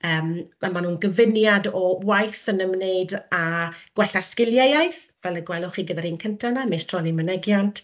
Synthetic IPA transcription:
əːmamanuːnɡəvɪnjadɔwajθənəmneɨdaɡ̥wɛɬaskɪlˠjejajθvɛləɡwɛlˠɔχiːɡədaɾiːnkʰəntʰanamejstʰrɔnimənɛɡjantʰ

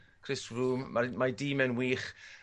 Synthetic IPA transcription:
kʰrɪsruːmmamadiːmɛnwiːχ

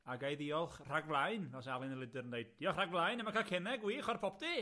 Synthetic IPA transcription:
aɡajðiɔlˠχr̥aɡvlˠaɨnɔsalˠɪnəlˠɪdɨɾəndejd̚iɔχraɡvlˠajnɛmakʰalˠkʰɛnɛɡwiːχɔrpʰɔpʰdi

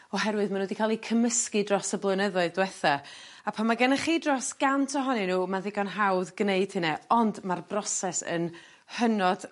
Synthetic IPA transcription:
ɔɦɛɾwɨðmanodikʰalˠikʰəməskɨdrɔsəblˠənəðʊɨðdwɛθaapʰamaɡənaχiːdrɔsɡ̥antʰɔɦɔnɛnuːmanðɪɡanɦawðɡneɨd̥hɪnɛɔndmarbrɔsɛsə̰n | hənɔd̥

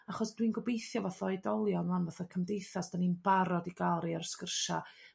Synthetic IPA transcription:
aχɔsd̥winɡʊbejθjɔvaθɔɪdɔlˠjɔnlˠanvaθɔkʰəmdejθasd̥aninbaɾɔdiɡalˠɾiarskərʃa

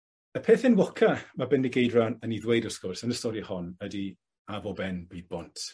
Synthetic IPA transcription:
əpʰeːθɪnwɔkʰamabɪnːiɡejdranənidwejdɔskɔrsənəstɔɾihɔnədi | avɔbɛnbiːd̚bɔntʰ

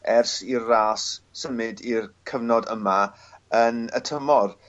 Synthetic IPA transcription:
ɛrsirːaːsːəmɨdirkʰəvnɔdəma | ənə̰tʰəmɔr

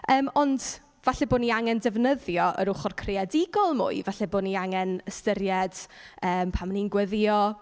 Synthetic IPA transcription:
əːmɔnd | v̥aɬɛboːniaŋɛndɛvnəðjɔʔə̰ɾʊχɔrkʰrɪadɪɡɔlˠmʊ̰ɨvaɬɛboːniaŋɛnəstəɾjɛd̥əːmpʰamninɡwəðjɔ

